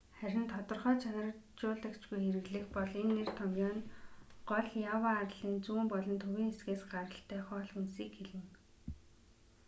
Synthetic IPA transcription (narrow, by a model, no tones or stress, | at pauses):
χæɾʲɪ̆nt̪ʰɔt̪ɞ̆rχœːt͡ɕʰanə̆rt͡ɕʊːɮt̪akt͡ɕɡujxeɾɘ̆ɣɮɘ̆xpɔɮenːer̥t̪ʰɔmɡʲjɔːnɢɔɮjawaːrɮiːnt͡suːmpɔɮɞ̆nt̪ʰɵwʲiːŋxesɡeːsɢaɾə̆ɬt̪ʰæːχɔːɮxunsiːkxeɮɘ̆ŋ